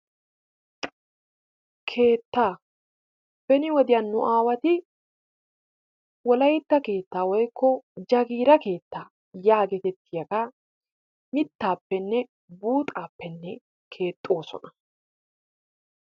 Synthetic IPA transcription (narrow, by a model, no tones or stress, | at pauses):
kʰe̞ːt̪ːaː | b̥ɛnɪwɔd̪ɪjɐnːʊʔaːwɐt̪ɪ | wɔlɐjt̪ːɐke̞ːt̪ːaːwɔjkʰːɔd͡ʒɐɡiːɾɐke̞ːt̪ːaː | jaːɡɛt̪ɛt̪ːɪjɐkɐ | mɪt̪ːaːpːɛnːɛ | buːt̪ʼaːpːɛnːɛ | kʰe̞ːt̪ʼːo̞ːsɔ̰nɐ